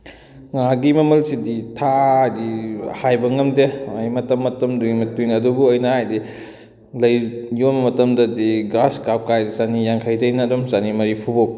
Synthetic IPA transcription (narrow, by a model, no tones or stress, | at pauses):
ŋaɡimɐmɐlsiditʰadihajbɐŋɐmdeɐjmɐtɐmːɐtɐmduɡimɐtujnɐdubuɐjnɐhajdi | lɐjjobɐmɐtɐmdɐdiɡɾaskap̚kajdizanijaŋkʰajdɐjnɐdɔmzanimɐɾipʰubok̚